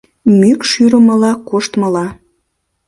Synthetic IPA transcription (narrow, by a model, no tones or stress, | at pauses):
mykʃyɾəmə̆lɑkoʃt̪məlɑ